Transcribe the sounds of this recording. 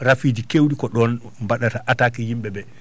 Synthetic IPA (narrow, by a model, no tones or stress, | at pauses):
ɾafid͡ʒikewɗikɔɗɔn | mbaɗataʔatakɛhimɓɛbɛ